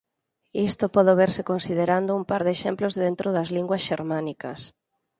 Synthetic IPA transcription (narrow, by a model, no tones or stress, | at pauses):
ist̪opɔðoβeɾsɪkonsið̞eɾand̪ʊumpaɾðeʃemplozðent̪ɾoðɐzliŋɡwɐsʃeɾmanikɐ̰s